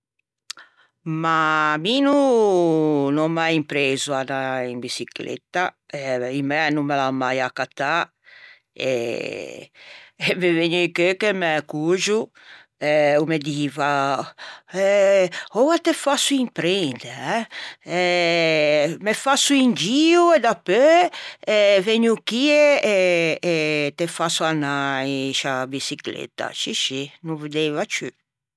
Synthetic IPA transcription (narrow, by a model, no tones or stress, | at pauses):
maminu | nɔmːajimpɾeːzuanaimbisiklḛt̪ːa | ɛimɛnumːelamːajakːat̪ːa | ḛ | meveɲejkøkemɛkuʒu | ɛumed̪iːva | ɛɔwat̪efasuimpɾend̪eɛɛ | mefasuind͡ʒiued̪apøɛveɲukieeː | t̪efasuanajʃabisiklḛt̪a̰ʃiʃinũvid̪ejvat͡ʃy